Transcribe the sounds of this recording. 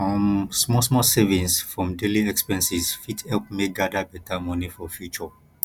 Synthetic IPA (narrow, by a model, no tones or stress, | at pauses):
fɔmsmɔsmɔsevĩnsfɹɔ̃mdeliɛkspɛ̃nsisfithɛlp̚mek̚dadabɛtʰamɔ̃nifɔfjut͡ʃɔ